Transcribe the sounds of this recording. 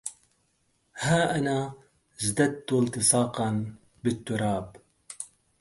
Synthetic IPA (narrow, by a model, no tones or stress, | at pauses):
haːʔɐnaː | zd̪ɐt̪ːult̪ɨsɑːqɑn | bɪt̪ːuɾɑːb